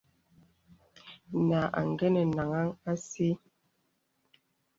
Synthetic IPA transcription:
na˨ʔa̰˨ŋ˨ɡɛ˦nɛ˨na˨ŋa˦ŋa˦si˦

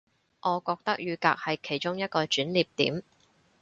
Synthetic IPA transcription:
ʔɔː˨˧kɔː˧k̚t̪ɐ˥k̚jyː˨˧ka̰ː˧k̚hɐ˨jkʰe˨˩jt͡ʃʊ˥ŋjɐ˥t̚kɔː˧t͡ʃyː˨˥nliː˨˩p̚t̪ḭː˨˥m

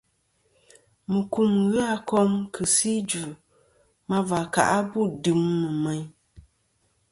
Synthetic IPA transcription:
mɨ˨ku˦˨m˨ɣa˦kɔ˦mkʰɨ˨si˦d͡ʒu˨ | ma˦va˨ka̰˨ʔa˦bu˦˨dɨ˨˦mːɨ˨mɛ˨˦ɲ

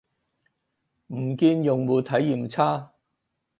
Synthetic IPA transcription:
m̩˨˩kiː˧njʊ˨ŋmuː˨˧t̪ʰɐ˨˥jːiː˨mt͡sʰaː˥

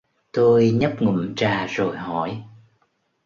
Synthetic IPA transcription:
t̪o˧jɲə˦˥p̚ŋɨ̰˧˨mt͡ɕaː˨˩zo˨˩jɦɔ˧˩˦j

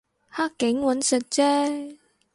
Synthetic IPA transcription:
haː˥kːɪ˨˥ŋwɐ˨˥nsɵ˨t̚t͡sɛː˥

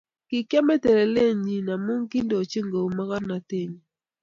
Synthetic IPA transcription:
ki˨kja˦mɛ˦tɛ˨ɾe˨le˦˨ɲi˨na˨mu˦ŋki˦ndo˨t͡ʃe˦ŋɡo˨u˨ma˦ka˦na˨te˦˨ɲ˨

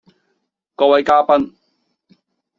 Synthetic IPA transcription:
kɔː˧wɐ˨˧jkaː˥pɐ˥n

